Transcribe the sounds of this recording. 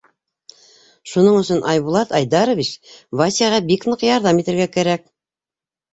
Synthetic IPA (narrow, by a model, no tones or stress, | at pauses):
ʃunɤɴɵ̆sɵnʔɑjβulˠɑt̪ɑjd̪ɑɾŏvʲit͡ɕvasʲijaʁɑbiknɤqjɑɾðɑmit̪ɘ̆ɾɡækæɾæk̚